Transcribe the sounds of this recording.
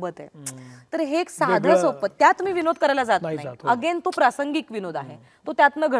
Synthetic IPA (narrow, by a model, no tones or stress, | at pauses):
bət̪ḛt̪əɾɦeksad̪ʱəsopət̪ːjat̪miːʋinod̪̚kəɾajlad͡zat̪ait̪əɡent̪opɾasəŋɡiːkʋinod̪aɦe | t̪ot̪jat̪nəɡʱə